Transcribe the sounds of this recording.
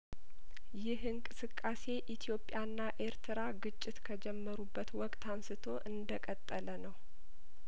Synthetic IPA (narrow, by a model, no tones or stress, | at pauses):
jɪhɨŋkʼɨsɨkʼːase̞ʔit̪ʰjo̞pʼːjanːaʔe̞ɾt̪ʰɨɾaɡɨt͡ʃʼːɪt̪kʰəd͡ʒɛmːəɾubːət̪wɔkʼt̪ʰamsɨt̪ʰo̞ʔɨnd̪əkʼət̪ʼːələnəw